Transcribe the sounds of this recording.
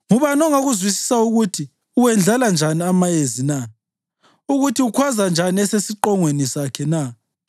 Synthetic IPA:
ŋuβanɔŋaɣuzwisi̥sauɣutʰi | uwɛnd͡ɮʱaland͡ʒʱaniamajezina | uɣutʰiukʰwazand͡ʒʱaniɛsesiǃɔŋwenisakʰɛna

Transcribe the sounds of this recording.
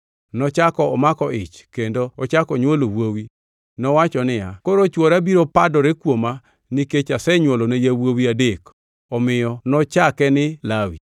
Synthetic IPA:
nɔt͡ʃakɔɔmakɔɪt͡ʃkendoɔt͡ʃakɔɲwolowowi | nɔwat͡ʃɔnɪakoɾot͡ʃwoɾabiɾopadɔɾekwoma | niket͡ʃasɛɲwolonejawowiadek | ɔmɪjɔnɔt͡ʃakɛnɪlawḭ

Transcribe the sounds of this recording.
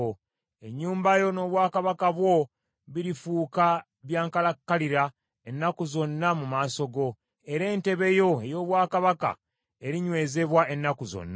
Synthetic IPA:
o | e̞ɲːuːmbajo̞no̞ːβwaːkaβakaβwo̞ | βiɾifuːka | βjaːŋkalakːaliɾa | e̞nːakuzo̞nːamumaːso̞ɡo̞ | e̞ɾe̞ːnte̞βe̞jo̞e̞jo̞ːβwaːkaβaka̰ | e̞ɾiɲwe̞ːze̞βwaʔe̞nːakuzo̰nːa

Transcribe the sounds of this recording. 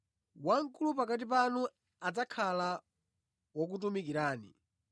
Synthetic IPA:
waŋ̩kulupakat̬ip̬anu | ad͡zakʰala | wɔk̬ut̬umikiɾaːnḭ

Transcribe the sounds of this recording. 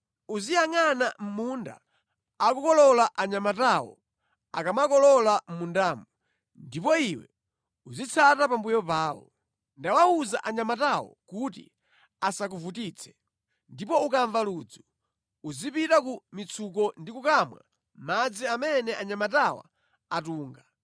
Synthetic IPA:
uzijaŋanam̩munda̰ | akukɔlɔlaʔaɲamatawɔ̰ | a̰kamakɔlɔlam̩mundaːmu | ndipɔiwɛ̰ | uzit͡sʰatapambujɔpaːwɔ̰ | ndawauzaʔaɲamatawɔ̰kutḭ | asak̬uvutiːt͡sʰɛ̥ | ndipɔukaɱvaluːd͡zu | uzipitakumit͡sʰukɔndikukamwa̰ | mad͡ziamɛnɛʔaɲamatawa̰ | atuːŋɡa

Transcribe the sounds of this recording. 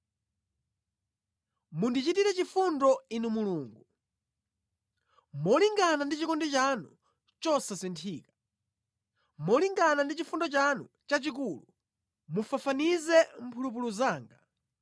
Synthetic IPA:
mundit͡ʃitiɾɛt͡ʃifundɔinumuluːŋɡu | mɔliŋɡanandit͡ʃikɔndit͡ʃanu | t͡ʃɔsasɛntʰiːkḁ | mɔliŋɡanandit͡ʃifundɔt͡ʃanṵ | t͡ʃat͡ʃik̬uːlu | mufafanizɛm̩pʰulup̬uluzaːŋɡa

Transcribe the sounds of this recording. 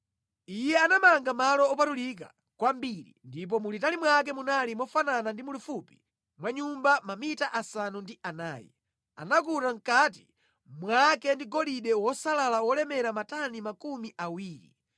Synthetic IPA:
ijɛanamaŋɡamalɔːpatulik̬a̰ | kwambiɾḭndip̬ɔmulitalimwak̬ɛmunalimɔfananandimulufupi̥ | mwaɲumbamamitaʔasanundiʔanaːjḭ | a̰nakuɾaŋ̩kati̥ | mwakɛndiɡɔliɗɛwɔsalalawɔlɛmɛɾamatanimakumiʔawiːɾḭ

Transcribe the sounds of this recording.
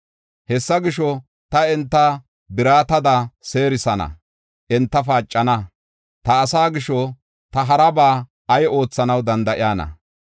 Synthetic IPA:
hɛsːɐɡɪʃɔ | t̪ɐɛnt̪ːɐ | bɪɾaːt̪ɐd̪ɐseːɾɪsɐnɐ̰ | ʔɛnt̪ːɐfaːt͡ʃʼːɐnɐ | t̪ɐːsaːɡɪʃɔ | t̪ɐɦɐɾɐbaː | ɐjo̞ːt͡sːɐnɐwd̪ɐnd̪ɐʔɪjaːnɐ̰

